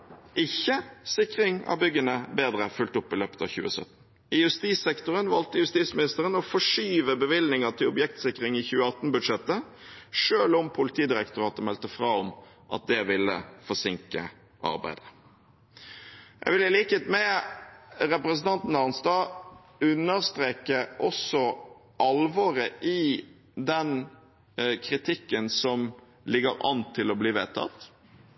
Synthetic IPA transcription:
ʔɪçːəsɪkʁɪŋɑ̰ʋbʏɡːənəbeːd̪ʁəfʉlt̪ʊpːɪløːpə̥t̪ɑ̰çʉ̰ːəsœ̰t̪n̩ | ɪjʉst̪iːsɛkt̪ʊʁənʋɑlt̪əjʉst̪iːsmɪnɪst̪əʁənɔfɔʂyːʋəbəʋɪlnɪŋɑt̪ʰɪlʊbjɛk̚t̪sɪkʁɪŋiçʉːəɑt̪nbʉd̪ʂɛt̪ːəʂøːlɔmpʰʊlɪt̪ʰiːd̪ɪɾɛkt̪ʊʁɑːt̪əmɛlt̪əfʁɑːɔm | ʔɑ̰t̪̚d̪ɛʋɪlːə̰fɔsɪŋkə̰ | ʔɑ̰ɾbæ̰ɪd̪ə | jʔɛ̰ʋɪləliːkət̪mɛ | ɾɛpɾəsn̩t̪ʰɑnt̪n̩ɑʁnsd̪ɑː | ʉnːəɾst̪ɾeːkəʔɔsɔ | ʔɑlʋɔːɾəʔɪ | d̪ɛn | kʰɾɪt̪ʰɪkːənsɔm | lɪɡəɾɑ̰nt̪ʰːɪlɔbliːʋeːt̪ʰɑ̰t̪

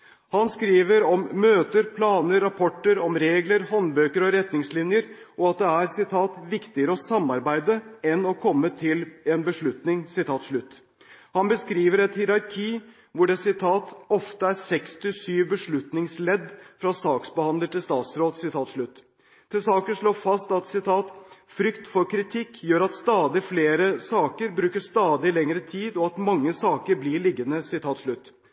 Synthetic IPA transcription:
hɑnskɾiːʋəɾɔmːøːt̪əɾpʰlɑːnəɾːɑpʰɔʈːəɾɔmɾeːɡləɾhɔnbøːkəɾɔɾɛt̪nɪŋslɪnjəɾʔɔɑt̪̚d̪ɛæɾsɪt̪ʰɑːt̪ʋɪkt̪ɪəɾəɔsɑmːɑɾbæɪd̪əɛnɔkʰɔmːət̪ʰɪleːnbəʂɭʉt̪nɪŋsɪt̪ʰɑːt̪ʂɭʉt̪ː | hɑnbəskɾiːʋəɾɛt̪hɪɾɑɾkʰiː | ʋʊɖɛsɪt̪ʰɑːt̪ɔft̪əæɾsɛkst̪ɪsyːʋbəʂɭʉt̪nɪŋslɛd̪fɾɑsɑːksbəhɑnd̪əʈɪlst̪ɑːt̪sɾoːd̪sɪt̪ʰɑːt̪ʂlɭʉt̪ː | t̪ʰɪsɑːkəʂɭoːfɑst̪ɑt̪sɪt̪ʰɑːt̪fɾʏkt̪fɔɾkʰɾɪt̪ʰɪkːjøːɾɑt̪st̪ɑːd̪ɪfleːɾəsɑːkəɾbɾʉːkəʂt̪ɑːd̪ɪlɛŋɾət̪ʰiːd̪ɔɑt̪mɑŋːəsɑːkəɾblɪɭɪɡːənəsɪt̪ʰɑːt̪ʂɭʉt̪ː

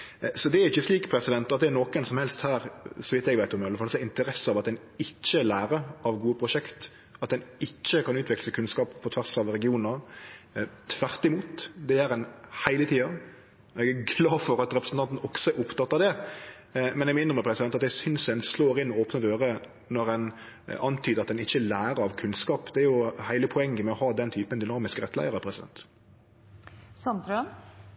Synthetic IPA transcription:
sɔd̪ɛæɾɪçːəsliːkpʰɾɛsɪd̪ɛnt̪ɑt̪̚d̪ɛænokənsɔmhɛlst̪hæːɾsɔmʋɪt̪ːɛɡʋæɪt̪ɔmɪɑləfɑlsɔɛɪnt̪əɾɛsːəɑʋɑt̪d̪ɛn | ɪt͡ʃːəlæːɾəɑʋɡuːəpʰɾʊʂɛkt̪ | ɑt̪̚d̪ɛnɪt͡ʃːəkɑnʉːt̪ʋɪkləsəkʰʉnskɑːppʰːɔt̪ʰʋæʁsɑʋɾɛɡɪuːnə | t̪ʰʋæɾt̪ɪmuːt̪d̪ɛæɾɛnhæɪlət̪ʰiːɑ | ɔɛɡæɡlɑːfɔɾɑt̪ɾɛpɾəsən̩t̪ʰɑnt̪n̩ɔksɔæɾʊpt̪ɑt̪ːɑd̪ɛ | mɛnɛmɪnd̪ʁəməpʰɾɛsɪd̪ɛnt̪ɑt̪d̪ɛsʏnsɛnsloːɾɪnːɔoːpnəd̪øːɾə | nɔɾɛn | ɑnt̪ʰyːd̪əɾɑt̪d̪ɛnɪçːəlæːɾəɾɑʋkʰʉnskɑːpd̪ɛæɾjʊhæɪləpʰɔɛŋːəmɛɔhɑːd̪ɛnt̪ʰyːpənd̪ʏnɑːmɪskəʁɛt̪ːlæ̰ɪəɾəpʰɾʁɛsɪd̪ɛ̰nt̪ | sɑnt̪ɾœ

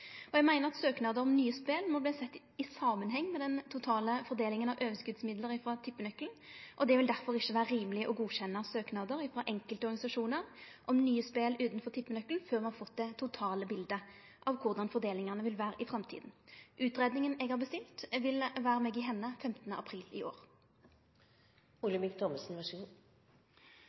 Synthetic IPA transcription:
ɔɛɡmæɪnəʁɑt̪søːknɑːd̪əɾɔmnyːəspeːlmɔbliːsɛt̪ː | ɪsɑːmənɦɛŋːmɛd̪ɛnt̪ʰʊt̪ʰɑːləfɔʁd̪eːlɪŋənɑʋʔøːʋəskʉd̪smɪd̪ləɾɪfɾɑt̪ʰɪpːənœkln̩ʔɔd̪ɛʋɪld̪æʁfɔʁɪçːəʋæːɾəɾiːməlɪəʔɔɡuːɕɛnːəsøːknɑːd̪əɾɪfʁɑʔɛŋkəlt̪əɔʁɡɑɪsɑʂuːnəɾʔɔmnyːəspeːlʉːt̪nfɔʁt̪ʰɪpːənœkːln̩føːʁmɛhɑɾfɔt̪d̪ɛt̪ʰʊt̪ʰɑːləbɪld̪ə | ʔɑʋkʰʊʁd̪ɑnfɔʁd̪eːlɪŋəʁnəʋɪlʋæːʁəʔɪfʁɑmt̪ʰḭːd̪nʔʉːt̪ʁeːd̪nɪŋənɛːɡhɑʁbəst̪ɪlt̪ʋɪlʋæːɾəmeːɡɪɦɛnːəfɛmt̪ənəʔɑpʰɾiːlɪ̰ʔo̰ːʁ | uləmɪkt̪ʰɔməsn̩ʋɑʂəɡuː

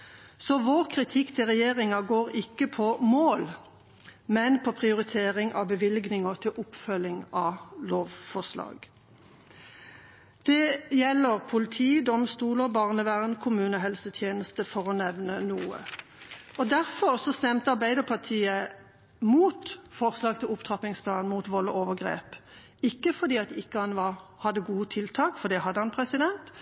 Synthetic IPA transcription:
sɔʋoːʁkʰʁɪt̪ʰɪkt̪ʰɪlʁɛjeːʁɪŋɑɡoːʁɪkːəpʰɔmoːl | mɛnpʰɔpʰʁɪʊʁɪt̪ʰeːʁɪŋʔɑ̰bəʋɪlɡnɪŋɔt̪ʰɪlʔʊpfœlɪŋɑloːʋfɔslɑ̰ːɡ̥ | d̪̥ɛjɛlːəʁpʰʊlɪt̪ʰiːd̪ɔmst̪uːləbɑʁnəʋæʁnkʰʊmʉːnəɦɛlsət̪ʰjeːnəst̪əfɔʁɔnɛʋnənuːə̰ | ɔd̪æʁfɔʁsɔst̪ɛmt̪əɑʁbæɪd̪əpʰɑʁt̪ʰiːə | muːt̪fɔʁslɑːɡ̚t̪ʰɪlʊpt̪ʰʁɑpɪŋspʰlɑːnmuːt̪ʋɔlːəʔoːʋəʁɡʁḛːp | ɪkːəfɔʁd̪iːɑt̪ɪkːəhɑnʋɑhɑd̪ːəɡuːət̪ʰɪlt̪ʰɑːkfɔd̪ɛhɑd̪ːəhɑnpʰʁɛsɪd̪ɛnt̪

